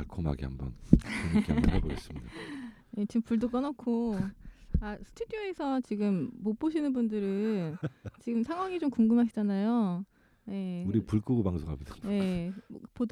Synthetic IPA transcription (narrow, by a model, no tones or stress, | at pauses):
aɭkʰoma̰ɡḭa̰mbʌ̰nkoɲkia̰bʌnɦeboɡes͈ɯmida | jet͡ɕiɡɯmpuɭdok͈ʌnʌkʰo | asʰɯ̥tʰudijoesʰʌt͡ɕiɡɯmːop͈oɕ̬ʰinɯnbundɯɾɯnt͡ɕiɡɯmsʰaŋɦwaŋit͡ɕomkuŋɡɯmɦaɕʰi̥d͡ʑanajo | je̞uɾipuɭk͈ɯɡopaŋsʰoŋɦa̰mid̥aje̞̰pod